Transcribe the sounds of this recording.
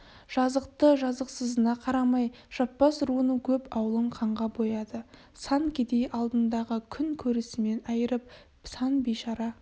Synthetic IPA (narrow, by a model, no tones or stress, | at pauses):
ʒ̥ɑzəqt̪əʒɑzəqsəzənɑqʰɑɾɑmɑj | ʒ̥ɑp̚pɑsɾuənəkʲʰɵpɑwəlˠəɴqʰɑɴʁɑbo̞jɑd̪ə | sɑŋkʲʰed̪e̞jʔɑlˠd̪ənd̪ɑʁəkʲʰʏŋkʲʰɵɾɪsɪme̞nɑjəɾəp̚ | sɑnbejʃɑɾɑ